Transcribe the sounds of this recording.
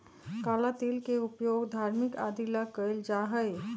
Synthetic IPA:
kalat̪ilkeupjoɡd̪ʱaɾmikad̪ilakəld͡ʒaɦəj

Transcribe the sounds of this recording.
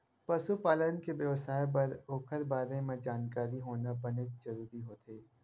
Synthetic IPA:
pɐsupaːlənkebjəʋsaːep̬ɐɾoːkʰəɾbaːɾẽmẽd͡ʒaːnkaːɾiɦoːnabɐnɪt̪̚d͡ʒɐɾuːɾiɦoːt̪ʰeː

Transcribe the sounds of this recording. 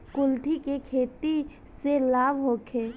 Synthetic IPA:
kʊlt̪ʰikekʰeːt̪i | selaːʋɦoːkʰeː

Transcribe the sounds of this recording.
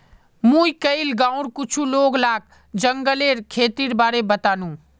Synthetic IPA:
mũikəilɡãːʊ̃ɽkʊt͡ʃʰuloːɡlaːk̚ | d͡ʒəŋɡəleːɾkʰeːt̪iɾbaːɾebət̪aːnũ

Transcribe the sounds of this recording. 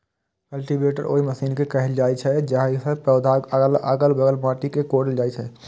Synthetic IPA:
kəlʈibeʈəɾʔo̰ːiməsiːnkekəɦɛld͡ʒajt͡ʃʰɛd͡ʒaɦisə̃pɛʊd̪ʱakɡələ̰ɡəlbəɡəlmaʈikekoɾld͡ʒajt͡ʃʰɛ

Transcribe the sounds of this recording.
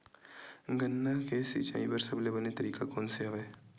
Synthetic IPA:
ɡənːakesḭt͡ʃa̰ːĩpəɾsɐblebɐnet̪ɐɾiːkakoːnseɦɐʋeː

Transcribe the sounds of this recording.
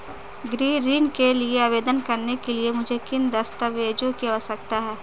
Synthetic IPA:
ɡɾiːɾiːnkelieaːʋeːd̪ənkɐɾnekeliemʊd͡ʒʱekɪnd̪ɐst̪əʋeːd͡ʒõkiɦosɐk̚t̪aɦɛː

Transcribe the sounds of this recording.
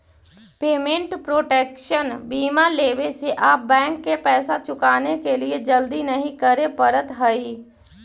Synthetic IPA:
peːmẽɳʈpɾoːʈeːkʃənbiːmaleːʋeseʔaːp̚bɛ̃ːŋkːepɛːsat͡ʃʊkaːnekelied͡ʒəld̪inɐɦĩkɐɾẽpəɾət̪ɦəiː

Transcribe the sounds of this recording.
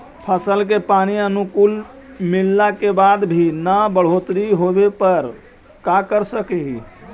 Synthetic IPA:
pʰəsəlk̬epaniənukul | milːakebad̪bʱinəbəɽ̤ot̪ɾiɦobepəɾ | kakəɾsəkeɦi

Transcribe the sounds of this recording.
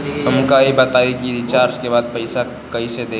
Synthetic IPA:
ɦəmkaːibət̪aːiɡid̪it͡ʃaːɾt͡ʃkebaːd̪̚pɐɪsa | kɐised̪eː

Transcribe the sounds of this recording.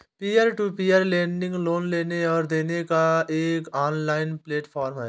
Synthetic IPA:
piːjəɾʈuːpiəɾlẽːɳɖɪ̃ŋɡloːnleːneɔːɾd̪eːnekaeːkaːnlaːɪnpleːʈpʰaːɾmɦɛː

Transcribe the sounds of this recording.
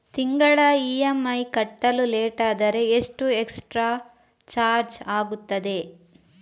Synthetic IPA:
t̪iŋɡɐɭɐiːemɐjkɐʈːɐluleːʈaːd̪ɐɾe̞ːʂʈueksʈɾaː | t͡ʃaːɾd͡ʒaːɡut̪ːɐd̪e̞

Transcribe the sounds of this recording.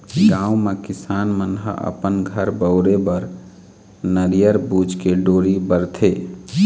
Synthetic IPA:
ɡãːũmekɪsaːnmənɦə̰ʔə̰pənɡʱəɾbəʊɾebəɾ | nəɾijəɾbuːd͡ʒkeɖoːɾibəɾt̪ʰeː

